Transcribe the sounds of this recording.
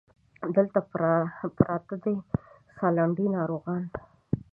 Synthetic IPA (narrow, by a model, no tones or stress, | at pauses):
d̪əlt̪apɾɑt̪əd̪e | sɑlaɳɖinɑɾoɣɑn